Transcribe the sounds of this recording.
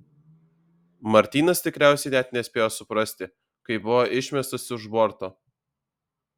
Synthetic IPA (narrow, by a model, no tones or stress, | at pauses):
mɐɾʲt̪ʲiːnɐst̪ʲɪkɾʲæˑʊsʲɛɪnʲɛt̪nʲɛsʲpʲeːjoːsʊpɾɐsʲt̪ʲɪ | kɐɪbʊʋoːʔɪʃʲmʲɛst̪ɐsɪʒbɔɾt̪oː